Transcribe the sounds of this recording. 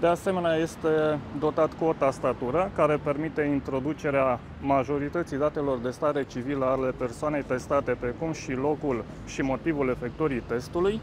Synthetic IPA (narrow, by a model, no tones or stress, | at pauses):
d̪e̞ase̞me̞neaje̞st̪e̞d̪o̞t̪at̪kuot̪ast̪at̪uɾəkaɾe̞pe̞rmit̪e̞int̪ɾo̞d̪ut͡ʃe̞ɾea | maʒo̞ɾit̪ət̪sijd̪at̪e̞lo̞rd̪e̞st̪aɾe̞t͡ʃiviləale̞pe̞rsoane̞jt̪e̞st̪at̪e̞pɾekumʃilo̞kul | ʃimo̞t̪ivule̞fe̞k̚t̪oɾit̪e̞st̪uluj